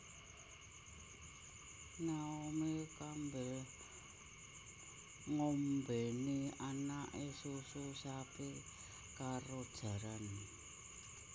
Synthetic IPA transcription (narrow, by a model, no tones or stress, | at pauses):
naomekambɛ | ŋombɛnianaʔesususape | kaɾod̥ʒ̥a̤ɾan